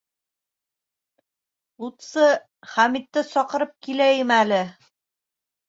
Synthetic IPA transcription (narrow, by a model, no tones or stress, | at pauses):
ut̪sɤ | χæmit̪ːɘsɒqɤ̆ɾɤp̚kilæjɘmælɘ